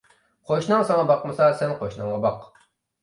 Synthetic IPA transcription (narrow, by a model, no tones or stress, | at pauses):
qʰoʃnɨŋsɑŋɑbɑqmɨsɑsɛnqʰoʃnɨŋʁɑbɑq